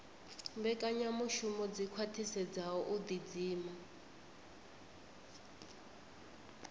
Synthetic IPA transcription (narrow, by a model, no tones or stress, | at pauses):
mbɛkʼaɲamuʃumɔd͡zikʰwatʰisɛd͡zaɔʔud̪id͡ziːma